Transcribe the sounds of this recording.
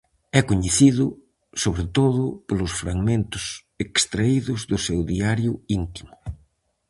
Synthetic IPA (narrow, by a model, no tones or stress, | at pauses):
ɛkoɲeθiðʊ | soβɾet̪oðʊpolʊsfɾaɣmẽnt̪ʊs | ekst̪ɾaiðʊzðʊsewðiaɾjʊint̪i̥mʊ